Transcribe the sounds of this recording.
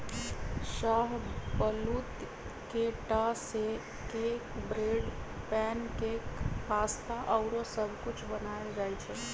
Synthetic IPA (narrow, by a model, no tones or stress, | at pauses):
ʃaːɦbəlut̪ | keʈase | kekbɾeːɖ | pɛːnkekpaːst̪aʔəʊɾosəbʱkʊt͡ʃʰbənaed͡ʒaːjt͡ʃʰɛ